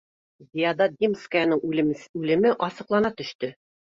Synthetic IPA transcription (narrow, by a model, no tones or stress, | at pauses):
zʲijad̪ɑd̪ʲimskəjanɤŋʉlɘ̆mɘʔɒsɤ̆qlˠɑnɑt̪ɵ̆ʃt̪ɘ